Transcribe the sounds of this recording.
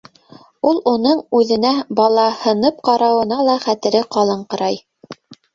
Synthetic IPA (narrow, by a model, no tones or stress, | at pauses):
ulˠunɤɴʉðɘ̆næbɑlˠɑhɤ̆nɤp̚qɑɾɑwɤ̆nɑlˠɑχæt̪ɘ̆ɾɘqɑlˠɤɴqɤ̆ɾɑj